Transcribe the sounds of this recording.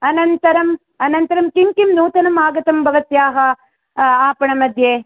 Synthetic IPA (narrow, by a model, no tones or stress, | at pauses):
ɐnɐnt̪ɐɾɐm | ɐnɐnt̪ɐɾɐmkiŋkimnuːt̪ɐnɐmaːɡɐt̪ɐmbʱɐʋɐt̪jaːɦɐ | aːpɐɳɐmɐd̪ʱjeː